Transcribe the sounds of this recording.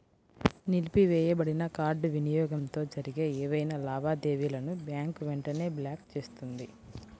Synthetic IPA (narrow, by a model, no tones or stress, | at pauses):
nilipiʋɛːjɐbɐɽinɐkaːɾɖʋinijɔːɡɐmt̪o̞ːd͡ʒɐɾiɡeːɛːʋɐjnɐlaːʋaːd̪e̞ːʋiːlɐnubjaːŋkʋɛɳʈɐne̞ːbljaːkt͡ʃe̞ːst̪und̪i